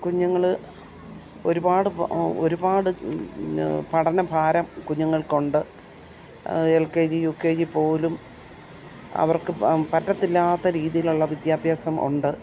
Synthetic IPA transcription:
kuɲːɐŋːɐɭ | o̞ɾubaːɽɨo̞ɾubaːɽɨ | pɐɽɐnɐbʱaːɾɐmkuɲːɐŋːɐɭkoɳɖɨ | elked͡ʑijukːeːd͡ʑipo̞ːlum | ɐ̰ʋɐrkɨpɐtːɐt̪ːilːaːt̪ːɐɾiːðijiluɭːɐʋid̪jaːbʱjaːsɐmʔṵɳɖɨ

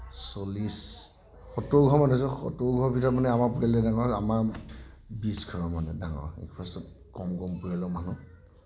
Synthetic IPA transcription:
sɔlis | xɔtowɡʱɔmanus̬ɔxɔ̰towɡʱɔɹbʱitɔɹɔmanɛamapuɹalɛdaŋɔɹamaɹ | bisɡʰʱɔɹɔmanɛ̰daŋɔ̰ɹɛ̰kpʰasɔt̚ | kɔmɡɔmpuɹalɔmanu

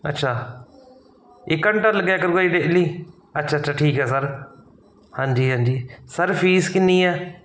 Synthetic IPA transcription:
ɐ̰tːʃʰaː | ɪkəɳʈəɾləɡakəɾɡaiːɖeːliː | ɐtːʃʰaːətːt͡ʃʰʃʰaːʈʰiːkɦɛːsəɾ | hãːɲd͡ʒiːɦãːnd͡ʒiːsəɾfʰiːskɪniːɛː

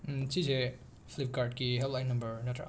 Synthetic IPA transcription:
t͡ʃize | pʰlip̚kaɾd̚kiɦellajnːɐmbɐɾnɐtɾa̰

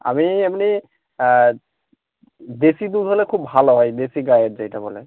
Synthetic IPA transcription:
a̰miamni | d̪esid̪uolekʰubbʱaloɦɔjd̪esiɡajeɾd͡ʑejʈabole

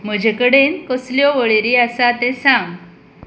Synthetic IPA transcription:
m̤əd͡ʑʱekəɽenkəsljɔʋəɭeɾiasat̪ẽsãm

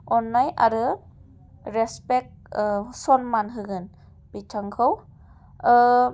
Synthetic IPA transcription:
ɔnːajʔa̰ɾɯ | ɾɛspek̚ | sɔnmanɦɯɡɯn | b̥itʰaŋkʰɯw

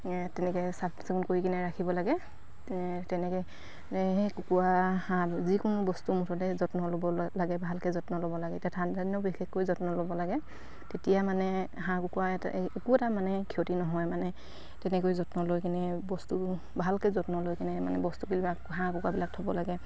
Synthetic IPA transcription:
tɛnɛkɛsḁsikunkoɹikinɛɹakʰibɔlaɡɛ | tɛnɛkɛ | ɦejkukuwahãzikʊnʊbɔstumutʰɔtɛzɔtnɔlobɔlaɡɛbʱalkɛzɔtnɔlobɔlaɡɛtiatʰandʱanjɔbixʰekːojzɔtnɔlobɔlaɡɛ | tetijamanɛ | ɦãkʊkuwaɛta̰ʔekuɛtamanɛkʰiotinɔɦɔjmanɛ | tɛnɛkojzɔtnɔlojkinɛbɔstu | bʱalkɛzɔtnɔlojkinɛma̰nɛ̰bɔstukilia | ɦãkukwabilak̚tʰɔbɔlaɡɛ

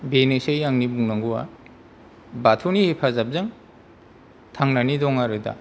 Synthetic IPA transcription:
benesejjaŋnibuŋnaŋɡua̰ | batʰunihipʰazap̚zaŋ | tʰaŋnanidɔŋaɾɯda̰

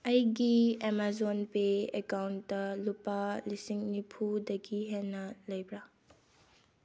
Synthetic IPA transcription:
ɐjɡiemazonpeekawndɐlupalisiŋnipʰudɐɡiɦenɐlɐjbɾa

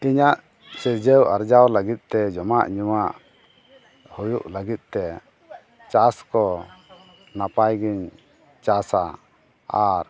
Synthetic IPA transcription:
iɲaʔ | t͡ʃɛd͡ʒəwaɾd͡ʒawləɡit̪̚ˀt̪ɛd͡ʒɔmaʔɲumaʔ | hujuʔləɡit̪̚ˀt̪ɛ | t͡ʃaskɔ | napajɡiɲ | t͡ʃasa | aɾ

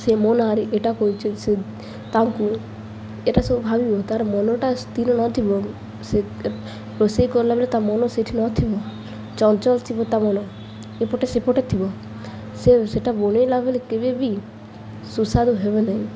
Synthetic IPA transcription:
semɔnaɾeʔeʈakoit͡ʃʰese | t̪aŋku | eʈasobbʱabibɔt̪aɾmɔnoʈast̪ilɔnɔt̪ʰibɔ | se | pɾosejkɔɾlabelet̪amɔnoseʈʰinɔt̪ʰibɔ | t͡ʃɔnt͡ʃɔlt̪ʰibɔt̪amɔno | epɔʈesepɔʈet̪ʰibɔ | seseʈabonelabelekebebi | susad̪uɦebenaĩ

